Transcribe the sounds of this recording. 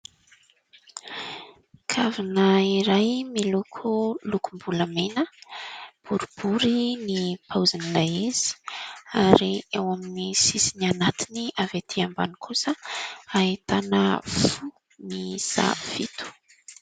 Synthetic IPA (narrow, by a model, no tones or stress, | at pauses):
kʰavinəiɾajmilukʰulukumbuləmenə | b̥uɾub̥uɾinipʰauzinilaezi̥aɾiewaminisisinianat̪iniʔavet̪ʰiamba̰nikʰusəaɦit̪anəfu | misa̰v̥it̪u̥